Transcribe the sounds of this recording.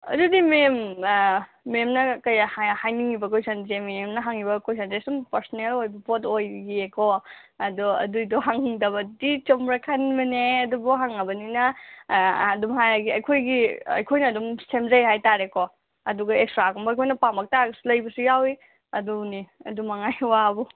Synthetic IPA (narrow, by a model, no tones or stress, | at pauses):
ɐ̰dudimemː | emnɐkɐjahhajniŋibɐkojsɐnzememnɐɦaŋibɐkojs̬ɐnzesumpɐɾsɔnelojbɐpotojɡiekʰoɐdɔɐ̰dujdɔɦaŋiŋdɐbɐdit͡ʃomɾakʰanimɐneɐdubuɦaŋɐbɐninɐ | ɐdumɦajaɡiɐjkʰojɡiɐ̰jkʰojnɐːdumsemzɐjɦajtaɾeko | ɐduɡɐekstɾakɔmbɐjkʰojnɐpambɐk̚taɡɐsulɐjbɐsujawi | ɐduniɐ̰dumaŋajwabɔ